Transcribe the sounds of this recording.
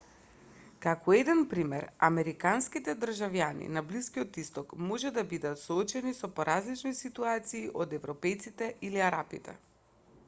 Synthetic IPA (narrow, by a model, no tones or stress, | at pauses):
kakɔɛd̪ɛnpɾimɛɾa̰mɛɾikanskit̪ɛd̪r̩ʒavjanḭnabliskiot̪ist̪ɔkmɔʒɛd̪abid̪at̪soɔt͡ʃɛnisɔpoɾazlit͡ʃnisit̪uat̪siːʔod̪ɛvɾɔpɛjt̪sit̪ɛʔiliaɾapit̪ɛ̰